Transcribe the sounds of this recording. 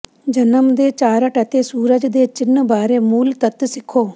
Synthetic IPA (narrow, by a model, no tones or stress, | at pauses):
d͡ʒənəmd̪eːt͡ʃaːɾəʈət̪eːsuːɾəd͡ʒd̪eːt͡ʃɪnbaːɾeːmuːlt̪ət̪sɪkʰːoː